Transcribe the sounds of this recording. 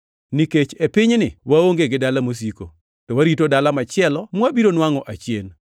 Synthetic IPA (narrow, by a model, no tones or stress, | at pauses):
niket͡ʃepɪɲnɪwaoŋɡeɡɪdalamos̬iko̰ | tɔwaɾitodalamat͡ʃɪɛlɔmwabiɾonwaŋɔʔat͡ʃjen